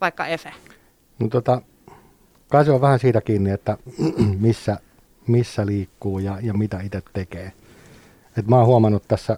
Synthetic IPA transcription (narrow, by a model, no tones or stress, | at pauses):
ʋɑikːɑefæ | not̪ot̪ɑ | kɑsjoʋʋæhænsiːt̪ækiːnːiet̪ːæmisːæ | misːæliːkːuːjɑjɑmit̪æit̪et̪tekeː | et̪mɑːhuɑmɑnːut̪t̪æsːæ